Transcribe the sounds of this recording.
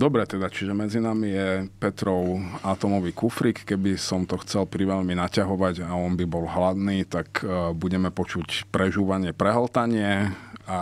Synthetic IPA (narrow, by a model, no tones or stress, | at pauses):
d̪ɔbɾɛt̪ɛd̪at͡ʃiʒɛmɛd͡zinamijɛpɛt̪ɾɔʊat̪ɔmɔʋiːkufɾikːɛbisɔmt̪ɔxt͡sɛlpɾiʋɛʎminacaɦɔʋaɟaɔnbibɔlɦlad̪niːt̪akbuɟɛmɛpɔt͡ʃucpɾɛʒuːʋaɲɪɛpɾɛɦɔlt̪aɲɪɛa